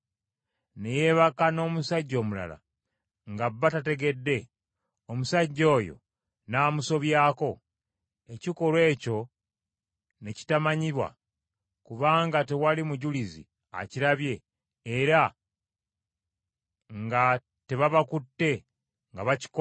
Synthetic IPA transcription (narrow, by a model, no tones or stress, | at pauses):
ne̞je̞ːβakano̞ːmusaɟːo̞ːmula̰la̰ | ŋɡabːatate̞ɡe̞dːe̞ | omusaɟːo̞ːjo̞̰ | naːmuso̞βjaːko̞ | e̞ciko̞ɾwe̞ːco̞ | ne̞ci̥tamaɲiβwa̰ | kuβaːŋɡate̞walimuɟulizḭ | a̰ciɾaβje̞ː | ɾa | ŋɡa | te̞βaβakutːe̞ | ŋɡaβaci̥k